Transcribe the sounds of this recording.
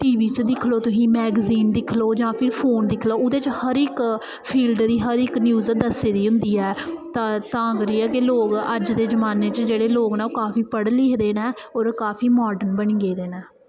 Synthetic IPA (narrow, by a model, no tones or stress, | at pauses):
ʈiːʋiːt͡ʃd̪ɪkʰloːt̪ʊsĩːmɛːɡziːnd̪ɪkʰloːd͡ʒãːpʰɪɾpʰoːnd̪ɪkʰloːʊd̪eːt͡ʃhəɾɪk | pʰiːlɖd̪iːɦəɾɪknjuːzd̪əseːd̪iːɦʊ̃nd̪iːɛːt̪ãːt̪ãːɡɾiːɛːkɪloːɡəd͡ʒd̪eːd͡ʒəmaːneːt͡ʃd͡ʒeːɽeːloːɡnɛ̃ːoːkaːpʰiːpəɽleːd̪eːnɛː | oːɾkaːpʰiːmɔːɖənbəɳiːɡeːd̪eːnɛː